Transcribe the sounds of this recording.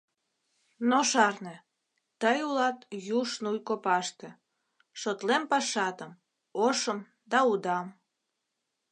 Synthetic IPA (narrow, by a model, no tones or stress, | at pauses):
noʃɑrnĕ | t̪əjulɑt̪juʃnujkopɑʃt̪ĕ | ʃot̪lempɑʃɑt̪əm | oʃəm | d̪ɑud̪ɑm